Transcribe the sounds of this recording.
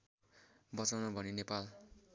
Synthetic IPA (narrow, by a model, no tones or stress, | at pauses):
bʌt͡sawnʌbʱʌninepal